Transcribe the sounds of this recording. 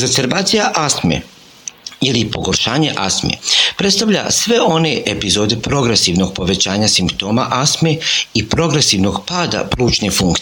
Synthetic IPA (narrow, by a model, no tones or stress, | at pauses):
zeseɾbaːt̪sijaʔasmḛ | ilipo̞ɡo̞ɾʃaːɲe̞ʔasmḛpɾet̪st̪aʋʎa̰sʋe̞o̞ne̞ʔepizo̞ːd̪epɾo̞ɡɾe̞siːʋno̞ɡ̥̚po̞ʋe̞t͡ɕaːɲasimpt̪o̞ːmaʔasmeipɾo̞ɡɾe̞siːʋno̞ɡpaːd̪a̰pluːt͡ʃne̞fuŋkt̪